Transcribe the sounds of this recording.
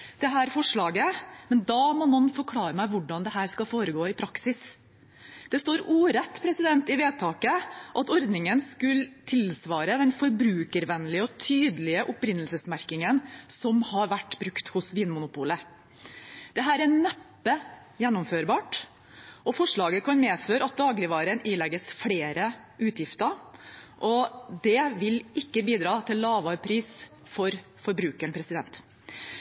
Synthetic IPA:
d̪̥ɛɦæːɾfɔʂɭɑːɡəmɛnd̪ɑːmɔnːɔnːfɔɾkʰlɑːɾəmæɪʋʊɖɑnd̪ɛhæːɾskɑfoːɾəɡoːɪpʰɾɑksɪs | d̪̥ɛst̪oːɾuːɾɛt̪ːpʰɾɛsɪd̪ɛnt̪ɪʋeːt̪ʰɑːkəʔɑt̪ɔɾd̪nɪŋənskʉlt̪ʰɪlsʋɑːɾəd̪ɛnfɔɾbɾʉːkəɾʋɛnːlɪəɔt̪ʰyːd̪əlɪəʔʊpɾɪnːəlsəsmæɾkɪŋənsɔmhɑɾʋæʈːbɾʉkt̪hʊsʋiːnmʊnʊpuːlə | d̪̥ɛɦæːɾænæpːə | jɛnːʊmføːɾbɑːʈ | ʔɔfɔʂɭɑːɡəkʰɑnmeːføːɾəɑt̪̚d̪ɑːɡlɪʋɑːɾəniːlɛɡːəsfɽeːɾə | ʔʉːt̪jɪft̪əɾʔɔd̪ɛʋɪlɪkːəbiːd̪ɾɑːt̪ʰɪlːɑːʋɑːɾpʰɾiːs | fɔɾ | fɔɾbɾʉːkəɳpʰɾɛsɪd̪ɛnt̪

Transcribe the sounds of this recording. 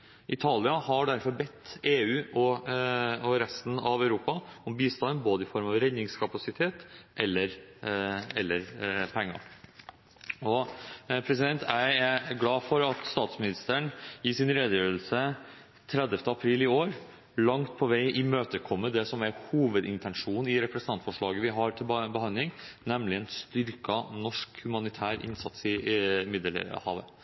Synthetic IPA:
ʔɪt̪ʰɑːlɪɑhɑɖæɾfɔɾbɛt̪ːeːʉːʔɔ | ɔɾɛst̪n̩ɑʋœʉɾuːpɑɔmbiːst̪ɑnboːd̪əɪfɔɾmɑʋɾɛnːɪŋskʰɑpɑsɪt̪ʰeːt̪ʔɛlːəɾ | ɛlːəɾpʰɛŋːɑ̰ | ɔpʰɾɛsɪd̪ɛnt̪ʰææɾɡlɑːfɔɾɑt̪st̪ɑːt̪smɪnɪst̪əɳɪsɪnɾeːd̪əjøːəl̩sə | t̪ʰɾɛd̪əft̪əɑpʰɾiːlɪoːɾ | lɑŋt̪̚pʰɔʋæɪʔɪmøːt̪əkʰɔmːəd̪ɛsɔmæɾhuːʋəd̪ɪnt̪ʰɛnʂuːnn̩ɪɾɛpɾɛsənɑnfɔʂɭɑːɡəʋɪɦɑɾt̪ʰɪlbəhɑnd̪lɪŋnɛmlɪɛnst̪ʏɾkɑnɔʂkhʉmɑnɪt̪ʰæːɾʔɪ̰nsɑt̪sɪmɪd̪əlḛhɑ̰ːʋə̰

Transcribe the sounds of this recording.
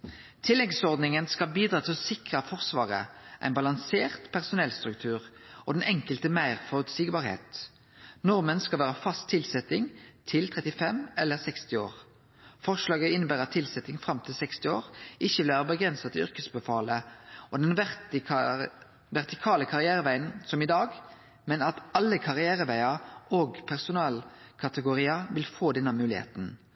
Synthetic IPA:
t̪ʰɪlːɛɡsɔʁd̪nɪŋənskɑbiːd̪ʁɑːt̪ʰɪlɔsɪkʁəfɔʁsʋɑːʁə̰ʔæ̰ɪnbɑlɑŋseːʁt̪pʰæʁsʊnɛlst̪ʁʉkt̪ʰʉːʁɔ̰d̪ɛnʔɛŋkəlt̪əmæɪʁfɔʁʉt̪siːkbɑʁhḛːt̪ | nɔʁmənskɑlʋæːʁəfɑst̪ʰːɪlsɛt̪ɪŋt̪ʰɪlt̪ʰʁɛt̪ɪfɛmɛlːəʁsɛkst̪ɪoːʁ | fɔʁʂlɑːɡəɪnːəbæːʁɑt̪ʰːɪlsɛt̪ɪŋfɾɑmt̪ʰɪlsɛkst̪ɪoːʁʔɪçːəʋɪlʋæːʁəbəɡʁɛnsɑt̪ʏ̰ʁkəsbəfɑːləɔd̪ɛnʋ | ʋɛʁt̪ɪkʰɑːləkʰɑʁɪæːʁəʋæɪənsɔmɪd̪ɑːɡ | mɛnɑt̪ɑlːəkʰɑʁɪæːʁəʋæɪɑoːɡpʰæʁsʊnɑːlkʰɑt̪əɡʊʁiːɑʋɪlfoːd̪ɛnːəmʉːlɪ̰hḛːt̪n

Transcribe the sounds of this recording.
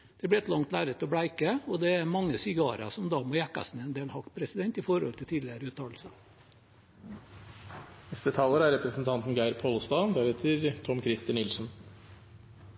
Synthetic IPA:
d̪̥ɛblɪɛt̪lɑŋt̪læːɾət̪ɔbɽæɪkəɔd̪ɛæmɑŋːəsɪɡɑ̰ːɾʔɑ̰sɔmd̪ɑmoːjækːɑ̰snəɛnd̪eːlhɑkpʰɾɛsɪd̪ɛnt̪ɪfɔɾɔ̰lt̪ʰɪlt̪ʰiːd̪lɪəɾəʉːt̪ʰɑːll̩sə | nɛst̪ət̪ʰɑːləɾæɾɛpɾəsn̩t̪ʰɑnt̪n̩ɡæɪɾpʰoːlst̪ɑːnd̪æɾheːt̪ʰəɾt̪ʰɔmkʰɾɪst̪ɑnɪlsn̩

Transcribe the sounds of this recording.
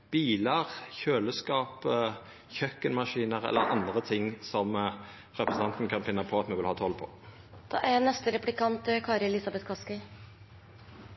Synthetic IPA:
b̥iːləʁçøːləskɑːp | çœkːənmɑʂiːnəʁɛ̰lːə̰ʁɑ̰nd̪ʁət̪ʰɪŋːsɔm | ʁɛpɾəsn̩ɑnt̪n̩kʰɑnfɪnːɑpʰɔɑt̪mɛʋɪlhɑːt̪ʰɔlpʰɔ̰ | d̪̥ɑ̰ːʔænɛst̪əɾɛplɪkɑnt̪kʰɑːɾəɛlɪsɑbɛt̪kʰɑskɪ

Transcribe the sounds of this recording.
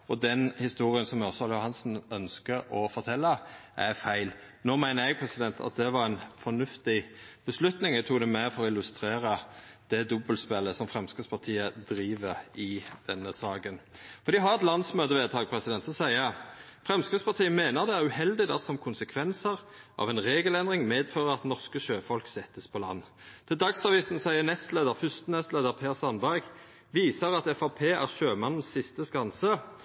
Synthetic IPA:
ɔd̪ɛnhɪst̪uːɾɪənsɔmɔsɔljʊhɑnsn̩œnskəɾɔfɔɾt̪ʰɛlːəʔæfæɪlnoːmæɪnəɾjɛɡ̚pʰʁɛsɪd̪ɛnt̪ʰɑ̰t̪̚d̪ɛʋɑɾænfɔnʉft̪ɪb̥əslʉt̪nɪŋæɡt̪ʰuːɡd̪ɛmæfɔɾɔɪlːʉst̪ɾeːɾəd̪̥ɛd̪ɔbəlspɛlːəsɔmfɾɛmskəspʰɑt̪ʰiːəd̪ɾiːʋəɾɪd̪̥ɛnːəsɑːɡənfɔʁd̪ɪɦɑʁɛt̪lɑnsmøːd̪əʋeːt̪ʰɑːɡ̚pʰʁɛsɪd̪ɛnt̪sɔsæɪəfʁɛmskəspɑʁt̪ʰiːəmeːnəʁd̪ɛæʁʉhɛld̪ɪd̪ɑsɔmkʰʊnsəkʰʋɛnsəʁ | ʔɑ̰ʋɛnʁeːɡəlɛnd̪ʁɪŋmeːd̪føːʁəʁɑt̪nɔʁskəʃøːfɔlksɛt̪ːəspʰɔlɑ̰nː | t̪ʰɪld̪ɑksɑʋiːsn̩sæɪənɛst̪leːd̪əʁfʉst̪ənɛst̪leːd̪əʁpʰeːʁsɑnbæɡ | ʋiːsəʁɑt̪ɛfɑpʰeːʔæ̰ʁʃøːmɑnn̩ssɪst̪əskɑnsə

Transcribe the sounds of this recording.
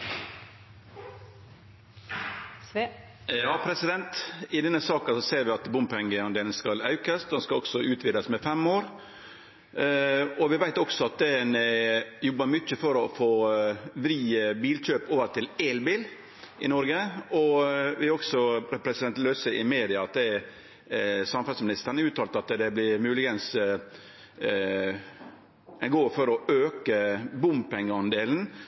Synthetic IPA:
jɑːpʰɾɛsɪd̪ɛnt̪ɪd̪ɛnːəsɑːkɑsɔseːɾʋɪɑt̪bʊmpɛŋɡəɑnd̪eːlnskɑlɑʉkəsɛnskɑɔksɔʉːt̪ʰʋɪd̪əsmɛfɛmoːɾ | ɔʋɪʋæɪt̪ɔksɔɑt̪̚d̪ɛnɛjɔbːəɾmʏt͡ʃːəfɔɾɔfoːʋɾiːəbiːlc͡çøːpoːʋəɾt̪ɪlelbiːl | ʔɪnɔɾɡəɔʋɪɾɔksɔpʰɾɛsɪd̪ɛnt̪lœsəʔɪmeːd̪ɪɑɑt̪̚d̪ɛ | sɑmfɑlsmɪnɪst̪əɾnəʉːt̪ʰɑːlt̪ɑt̪d̪ɛblɪɾmʉːlɪɡəns | ɛnɡoːfɔɾɔøːkəbʊmpɛŋːəɑnd̪eːln̩

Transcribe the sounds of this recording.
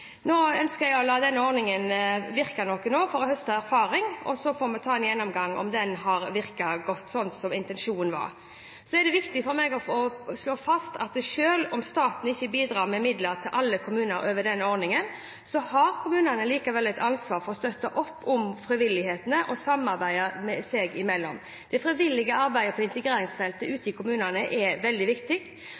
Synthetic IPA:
noːœnskəɾjæɔlɑːd̪ɛnːəɔɾnɪŋənʋɪɾkɑnɔkːənoːfɔɾɔhœst̪ɑæɾfɑːɾɪŋɔ̰sɔfɔːɾmɛt̪ʰɑːɛnjɛnːɔmɡɑŋːɔ̰md̪ɛnɦɑɾʋɪɾkɑɡɔt̪ːsɔnt̪sɔmɪnt̪ɛnʂuːnn̩ʋɑ̰ɾ | sɔɛd̪ɛʋɪkt̪ɪfɔɾmɛɡɔɔsloːfɑst̪ɑt̪̚d̪ɛʂøːlɔmst̪ɑːt̪n̩ɪçːəbiːd̪ɾɑːɾmɛmɪd̪ləɾt̪ʰɪlʔɑlːəkʰʊmʉːnəɾøːʋəɖ̪ɛnːəɔɾnɪŋən | sɔhɑɾkʰʊmʉːnənəliːkɑʋɛlːɛt̪ʰɑnsʋɑːɾfɔɾɔst̪œt̪ːəʔɔpːʊmfɾɪʋɪlːɪheːt̪ənəʔɔsɑmɑɾbæɪəmɛsɛɡɪmɛlːɔm | d̪̥ɛfɾɪʋɪlːɪɡəɑɾbæɪəpʰɔɪnt̪əɡɾeːɾɪŋsfɛlt̪əʉːt̪ɪkʰʊmʉːnənəʔɛʋɛld̪ɪʋɪkt̪ɪɡ

